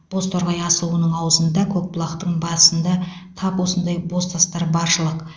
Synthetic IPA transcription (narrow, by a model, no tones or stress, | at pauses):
b̥o̞st̪ʰoɾʁɑjɑsəlˠuənəɴɑwəzənd̪ɑkʲʰɵk̚blˠɑqt̪əɴbɑəsənd̪ɑ | t̪ʰɑpwo̞sənd̪ɑjbo̞st̪ʰɑst̪ɑɾbɑɾʃəlˠəq